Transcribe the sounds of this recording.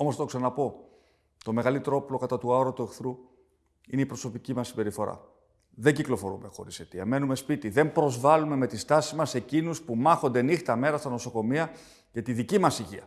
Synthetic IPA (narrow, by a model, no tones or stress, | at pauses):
o̞most̪oksɐnnɐpo̞ | t̪o̞me̞ɣɐlit̪eɾoplo̞kɐt̪ɐt̪uɐoɾot̪ue̞xθɾu | ineipɾo̞so̞picimɐsːibe̞ɾifo̞ɾɐ̰ | ðe̞ɲɟiklo̞fo̞ɾume̞xo̞̰ɾise̞t̪iɐme̞nume̞spit̪iðe̞mpɾo̞zvɐlume̞me̞t̪ist̪ɐsizmɐse̞cinuspumɐxo̞nd̪e̞nixt̪ɐme̞ɾɐst̪ɐno̞so̞ko̞miɐ | cet̪iðicimɐsiʝiɐ